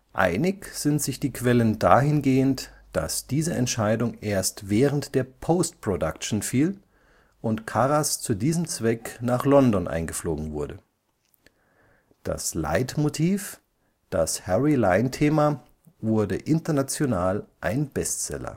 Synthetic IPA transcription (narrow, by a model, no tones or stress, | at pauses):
ʔa̰ɪnɪçz̥ɪntz̥ɪçd̥iːkv̥ɛləndaːhɪnɡeːəntd̥a̰sd̥iːzəʔɛ̰ntʃaɪdʊŋʔeːɐstv̥ɛːʁəntd̥eːɐpʰoʊst̚pʁ̥odakʃn̩fiːl | ʔʊntkʰaʁast͡sudiːzəmt͡sv̥ɛknaːχlɔndɔnʔa̰ɪnɡəfloːɡŋ̩vʊɐdə | d̥a̰sla̰ɪtmotʰiːf | d̥ashɛʁilaɪntʰeːma | vʊɐdəʔɪntɐnat͡sjonaːlʔaɪnb̥ɛstt͡sɛ̰lɐ̰